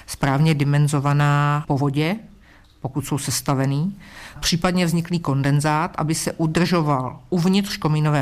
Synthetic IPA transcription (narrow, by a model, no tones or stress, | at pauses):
spɾaːvɲɛdɪmɛnzo̞vanaːpo̞vo̞ɟɛ | pokut̪so̞wsɛst̪avɛniːpr̝̥iːpadɲɛvzɲɪkliːko̞ndɛnzaːt̪ʔa̰bɪsɛʔudr̩ʒo̞valʔuvɲɪt̪rko̞minovɛː